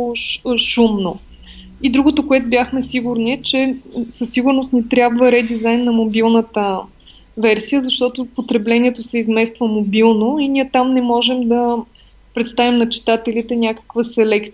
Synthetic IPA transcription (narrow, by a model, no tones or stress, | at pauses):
ʃumno | id̪ɾuɡot̪okoɛt̪ʊbjaxmɛsiɡʊɾniɛt͡ʃɛsəsːiɡʊɾnost̪nɛt̪ɾʲjabvəɾɛd̪izajnːɐmobilˠnət̪ə | vɛɾsijəzɐʃt̪ɔt̪opot̪ɾɛblɛnʲiɛt̪osɛizmɛst̪vəmobilˠnoiniɛt̪amnɛmɔʒɛmd̪ə | pɾɛt̪st̪avimnɐt͡ʃi̥t̪at̪ɛlit̪ɛnʲakə̥kvəsɛlɛkt̪